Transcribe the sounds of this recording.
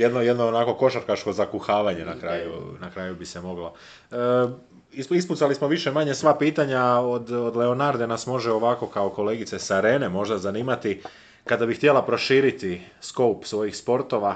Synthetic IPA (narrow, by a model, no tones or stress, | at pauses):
jed̪nojed̪noːnako̞ko̞ʃaɾkat͡ʃko̞zakuxaːʋaɲe̞nakɾaːjṵnakɾaːjubise̞mo̞ɡlo̞ | iisput̪salismo̞ʋiʃe̞maɲe̞sʋapiːt̪aɲaod̪od̪le̞o̞naɾd̪e̞nasmo̞ʒeo̞ʋako̞kaoko̞le̞ːɡit̪se̞saɾe̞ːne̞mo̞ʒd̪azaniːmat̪i | kad̪abixt̪je̞lapɾo̞ʃiːɾit̪isko̞wpsʋo̞jixspo̞ɾt̪o̞ʋa